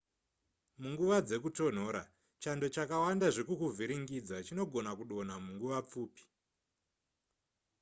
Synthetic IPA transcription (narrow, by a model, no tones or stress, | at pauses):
muŋɡuʋad͡ze̞kuto̞n̤o̞ːɾa̰ | t͡ʃando̞t͡ʃakawandaʐekukuvʱiɾiŋɡid͡zat͡ʃino̞ɡʱo̞nakuɗo̞namuŋɡuʋap͡fuːpi̥